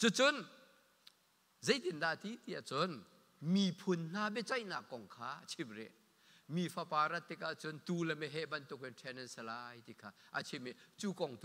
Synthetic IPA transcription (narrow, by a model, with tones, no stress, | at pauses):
t͡su˧t͡sʊ˦n | ze˨˦jt̪i˨nda˧˨t̪i˦t̪i˧˨ʔa˨t͡sʊ˦n | mi˨pʰʊ˨nn̥a˧bɛ˦˨t͡sa˦˨jna̰˨kːɔ˨ŋkʰaː˧˦at͡sʰi˧mrɛ̰˧˨ʔ | miː˨fʰa˧pa˨ɾa˦t̪ːi˧k̚a˨t͡sʊ˦nt̪u˧lɛ˨mɛ˧ɦɛ˦ʔbɐ˧nt̪ʊ˧˨k̚ɛ˨tʰɛ˧nɛ˨nsɛ˧la˧˦jt̪i˧˨kʰaː˧˩ʔa̰˨t͡ʃʰi˧mɛ˨t͡su˧˦kɔ˨ŋt̪